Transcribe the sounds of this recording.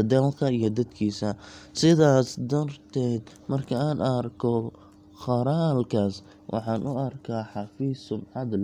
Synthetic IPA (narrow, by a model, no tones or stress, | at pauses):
d̪ɛlkʰɐijɞd̪ɐd̪kʰiːsɐsɪðaːsd̪ɐrt̪ʰɛːd̪ | mɐrkʰɐaːnʔɐrkʰɔ | χɑɾaːlkʰaːs | wʔɑ̰ħɑːnʔʊɐrkʰaːħɑfiːsʊmʕɑd̪l